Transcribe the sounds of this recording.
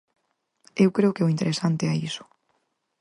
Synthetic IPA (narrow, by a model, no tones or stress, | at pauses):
ewkɾeʊkeoint̪eɾesant̪eɛisʊ̥